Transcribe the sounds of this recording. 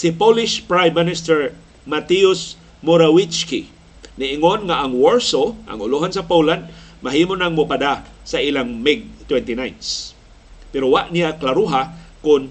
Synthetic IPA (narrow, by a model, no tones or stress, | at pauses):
sɪpolɪʃpɹajmːɪnɪst̪ɛɹ | mat̪iʊs | moɾawɪt͡ʃkḭ | nɪʔɪŋonŋaʔːŋwoɹsoʔɐ̰ŋʊluɦans̬ɐpoland̪̚maɦiːmonaŋmʊpad̪a | saʔilaŋmɪɡ̚t̪wɛnt̪inajns | pɛɾowaʔnijaklaɾuɦakʊn